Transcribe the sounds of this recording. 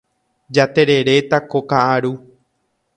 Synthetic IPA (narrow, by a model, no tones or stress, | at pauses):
d͡ʒat̪e̞ɾe̞ɾe̞t̪akokaʔaɾu